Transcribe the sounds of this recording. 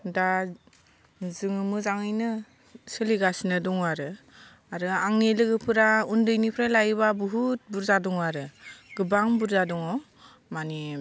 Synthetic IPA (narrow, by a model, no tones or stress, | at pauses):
da | zɯŋɯmɯzaŋɯjnɯ | sɯliɡasinɯdɔŋaɾɯ | aɾɯaŋelɯɡɯpʰɯɾaundɯjnipʰɾalajβabuɦut̚buɾzadɔŋaɾɯɡ̥ɯbaŋbuɾzadɔŋɔ | mani